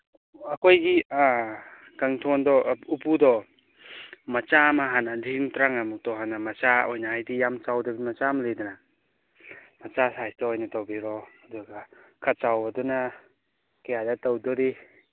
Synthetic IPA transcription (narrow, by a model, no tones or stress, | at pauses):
ɐkojɡia | kaŋtʰɔndɔupudɔ | mɐt͡ʃamaɦanadiŋtɾaŋamuk̚tɔɦanamɐt͡ʃaojnaajdijamt͡ʃawdɔbimɐt͡ʃamalejdana | mɐt͡ʃasajstɔːjnatawbiɾɔaduɡakʰat̚t͡ʃawbaduna | kejadatawdɔdi